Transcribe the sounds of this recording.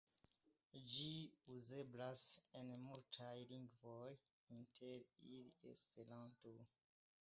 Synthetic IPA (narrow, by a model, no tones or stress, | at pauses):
d͡ʒiuze̞blasenmultʰajliŋɡvoj | intʰeɾiliḛspe̞ɾanto